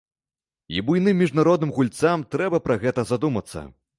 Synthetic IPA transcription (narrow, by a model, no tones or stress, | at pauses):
ḭbujnɨmːʲiʐnaɾɔd̪nɨmɣulʲt̪samt̪ɾɛbɐpɾɐɣɛt̪ɐzad̪umɐt̪sːɐ̰